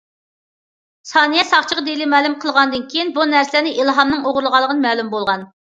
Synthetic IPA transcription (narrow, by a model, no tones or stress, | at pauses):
sɑːnɨjɛsɑχt͡ʃʰəʁəd̪elɪmɛːlˠumqʰəlˠʁɑnd̪ɨnkʲʰejinbunæɾslnɪʔilˠɦɑmnɨŋoʁʊɾlˠəʁɑlˠːəʁənɨmɛːlumbolˠʁɑn